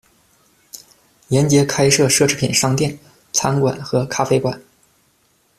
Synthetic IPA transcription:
ljɛ˧˥nt͡ɕjɛ˧˥kʰa˥ɪʂɤ˥˧ʂɤ˥˩ʈ͡ʂʰɻ̩˥pʰḭ˨˩nʂɑ˥˧ŋt̪jɛ˥˩n | t͡sʰa˥nkwa̰˨˩˦nxɤ˧˥kʰa˥fe˥ɪkwa̰˨˩˦n

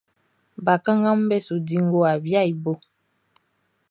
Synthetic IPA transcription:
ba˨kã˦ŋã˦m˦bɛ˦su˨di˦ŋ˦ɡo˦a˨vja˦˨i˨bo˦˨

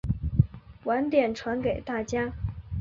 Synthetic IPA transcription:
wa˧˥nt̪jɛ˨˩nʈ͡ʂʰwa˧˥nke˨˩ɪt̪a˥˩t͡ɕja˥

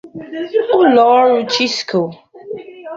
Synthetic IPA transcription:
ʊ˦lɔ˨˦ɾu˦t͡ʃi˦skʰo˨

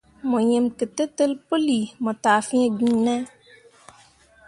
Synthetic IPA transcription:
mo˨ɲe˨mkɨ˨tə˦tə˦lpo˦li˨mɔ˨taː˨fĩ˦e˦ɡĩ˦nɛ˦

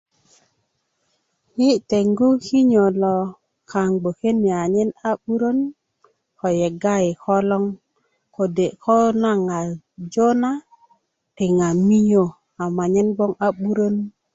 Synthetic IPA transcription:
hi˦t̪e˨ŋɡu˦ki˦ɲo˨lo˨ | kʰa˨ŋɡ͡bo˨ke˦ni˨a˨ɲe˦na˦ɓu˦ɾo˦n | ko˨je˨ɡa˦ji˨ko˦lɔ˦ŋ | ko˨de˨ʔkʰo˦na˦ŋa˨ | d͡ʒo˦na˦ | ti˨ŋa˨mi˦ɲo˦˨ | a˨ma˨ɲe˦nbo˦ŋa˦ɓu˦ɾo˦n

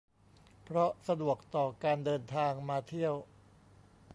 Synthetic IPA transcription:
pʰɾɔ˦˥sa˧du˨˩ək̚t̪ɔː˨˩kaː˧ndɤː˧nt̪ʰaː˧ŋmaː˧t̪ʰi˥˩əw

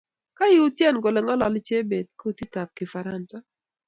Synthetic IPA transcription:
ka˦ji˦u˦tjɛ˦˨nɡo˨lɛ˨ŋɔ˦lɔ˨lt͡ʃe˦be˨d̚ko˦˨ti˦ta˨p̚kɪ˨fa˨ɾa˦nsa˦

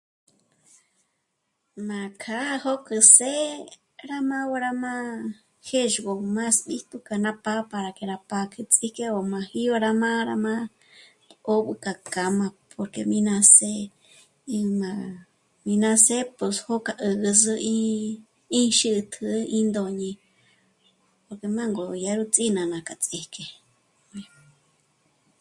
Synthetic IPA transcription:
mã˨kʰa˦ho˦kɨ˨se˦ | ɾa˦mã˦wo˧ɾa˧mã˦ | he˦ʒɡo˨mã˦sɓi˦ht̪u˧ka˧nã˦pa˦pa˧ɾa˨ke˧ɾa˧pa˧kʰɨ˧t͡sʼi˦ke˦o˨mã˨hi˦o˧ɾa˧mã˦ɾa˧mã˦ | o˦ɓɨ˧ka˨ka˨mã˧pʰo˨ɾke˧mĩ˧nã˧se˦˧ | mã˧ | mĩ˧nã˧se˦po˧sho˦ka˧ʔɨ˧ɡɨ˧zɨ˧ĩ˦ | ĩ˦ʃɨ˦ʔt̪ʰɨ˧ʔĩ˦nd̪o˧˨ɲĩ˧ | po˨ɾke˧˨mã˦ŋɡo˨ja˧ɾu˧t͡sʼi˦nã˨nã˨ka˨t͡sʼi˧hke˨˧

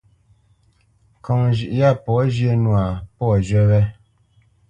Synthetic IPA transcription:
kɔ˨ŋʒi˨ʔja˦˨pɔ˨˦ʒe˦nwa˨pɔ˦˨d͡ʒɥɛ˦wɛ˦

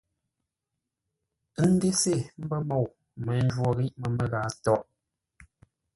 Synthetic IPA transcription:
n̩˦de˦se˦˨m̩˦bə˦mɔ˨w | mɛ˨n̩˦d͡ʒwɔ˨ɣi˦ʔmə˨mə˦˨ɣaː˨˦tɔ˦ʔ

